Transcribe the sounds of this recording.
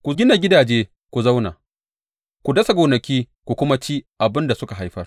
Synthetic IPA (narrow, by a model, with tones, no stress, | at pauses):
kʷu˨ɡʲɪ˦na˨ɡʲɪ˦daː˨d͡ʒeː˦ | kʷu˨za˦wna̰ː˨ | kʷu˨dɐ˦sa˨ɡoː˨nɐ˨kʲiː˦ | kʷu˨kʷʊ˦ma˦t͡ʃiː˦ʔa˨bɪ˦nda˨sʊ˦ka˨ɦa˦jɸɐ˦r